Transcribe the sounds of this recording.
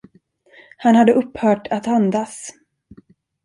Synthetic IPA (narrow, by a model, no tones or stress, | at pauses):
hanhad̪ːəʔɵpːhœːʈat̪and̪as